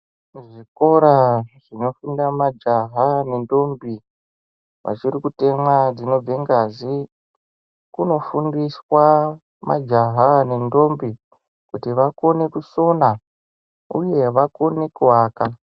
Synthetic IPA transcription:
ʐiko̞ɾaʐ̥ino̞fundamad͡ʒaɦane̞ndo̞mbi | ʋa̰t͡ʃiɾikute̞mwad͡zino̞b͡ve̞ŋɡazi | kuno̞fundiswa | ma̰d͡ʒaɦane̞ndo̞mbi | kutiʋako̞ne̞kuso̞na | ṵje̞ʋako̞nekuwaːka

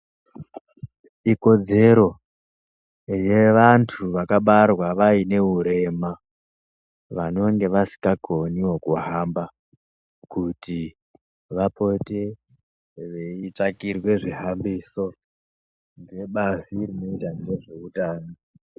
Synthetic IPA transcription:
iko̞d͡ze̞ɾo̞ | je̞ʋantʰuʋakaɓarwaʋaine̞ɦuɾe̞ma | ʋano̞ŋɡe̞ʋasi̥kakoniwokuɦamba | kuti | ʋapo̞te̞ | ʋeit͡ʂakirwe̞ʐiɦambiso̞ | ndeɓazirino̞itanɡe̞ʐe̞utaːno

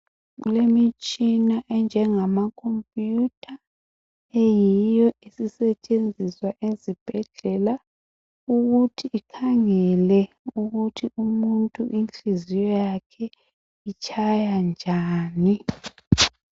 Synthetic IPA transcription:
ɣṵlemit͡ʃʼinaʔɛnd͡ʒʱɛŋamakʰompʼjutʼʰa | ejijɔʔisisɛt͡ʃʼend͡zʱiswaʔezib̥ʱɛɮɛla | uɣutʰiʔːkʰaŋɛlɛ | uɣutʰiumuntʼuʔint͡ɬizijɔjakʰɛ | it͡ʃʰʼajand͡ʒʱaːni

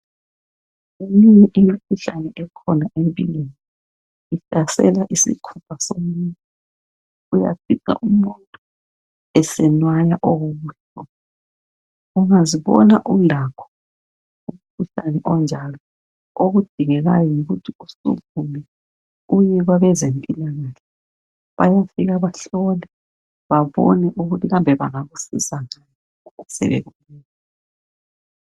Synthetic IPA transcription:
emiɲɛʔimikʰuɬanɛʔɛkʰɔnaʔeβḭleni | iɬasɛ̰laʔisḭkʰupʰasomuɲɔ | uja̰fika̰ʔumuntʼu̥ | ɛsɛnwajaʔoɣuɣuːɬ | ɔ | uŋaziβɔ̰naʔulakʰɔ̥ | um̩kʰuɬanɛʔɔnd͡ʒʱalɔ | oɣud̥ʱiŋɛɣa̰jɔŋiɣutʰiusṵkumɛ | ujɛɣwaβɛzempʼilaɣaɬɛ | βa̰jafiɣaβaɬɔlɛ | βaβɔ̰nɛʔuɣutʰiɣambʱɛβaŋaɣusḭsaŋajɛɛ | usɛ̰βɛ̰ɣumiːnɔ

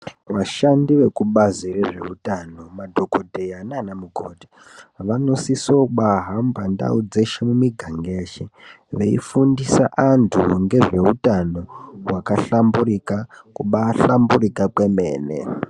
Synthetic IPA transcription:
ʋaʃandiʋe̞kuɓazireʐe̞̰utano̞madʱo̞ko̞dʱejananamuɡʱo̰ːdʱi | ʋano̞sisoɓaɦambanda̰ud͡ze̞ʃemumiɡʱaŋɡeːʃi | ʋe̞ḭfundisaʔantʰṵŋɡe̞ʐe̞ɦutano̞wakaɬamburikakuɓaɬamburikakwe̞mḛːnḛ

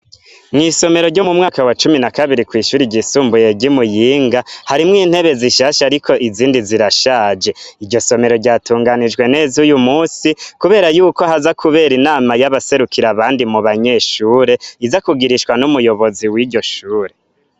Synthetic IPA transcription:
ŋiso̞me̞ɾoɾɟo̞mumŋaːkawat͡ʃuminakaβiɾikwiːʃuːɾiɟisuːmbuje̞ɟimujiːŋɡahaɾimŋiːn̥he̞βe̞ziʃaːʃaɾikʰo̞ʔiziːndiziɾaʃaːd͡ʒe̞iɾɟo̞so̞me̞ɾo̞ɟaːtuːŋɡanid͡ʒɡwe̞ne̞ːzujumuːsikuβe̞ːɾajuːko̞hazakʰuβe̞ːɾinaːmajaβase̞ɾukʰiɾaβaːndimuβaɲe̞ʃuːɾe̞izakuɡiɾiʃwanumujo̞βo̞ziwiːɟo̞ʃuːɾe̞

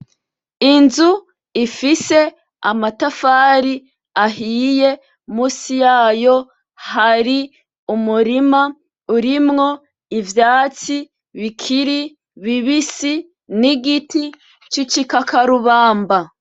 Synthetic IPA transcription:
inzu | ifise̞ | amatafaːɾi | aɦiːje | muːsijaːjo̞ | haɾi | umuɾima | uɾimŋo̞ | ivjaːt͡si | βikʰiɾi | βiβisi | niɡiti | t͡ʃit͡ʃikakaɾuβaːmba

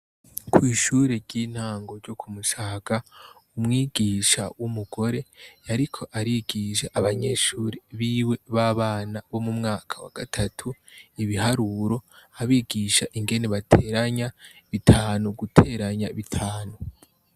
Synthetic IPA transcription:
kʰwiːʃuːɾeɾɟiːn̥haːŋɡo̞ɾɟokʰumuʃaːkaumŋiːɡ̥iːʃa̰wumuɡ̥o̞ɾe̞aɾikʰo̞ʔaɾiɡ̥iːʃaʔaβaɲe̞ːʃuːɾeβiːwe̞βaːβaːnaβo̞mumŋaːkʰḁwa̰ɡ̥atʰatʰuiβihaɾuːɾo̞aβiːɡiːʃaʔiŋɡe̞ne̞βatʰeːɾaɲaβitʰaːnuɡutʰe̞ɾaɲaβitʰaːnu

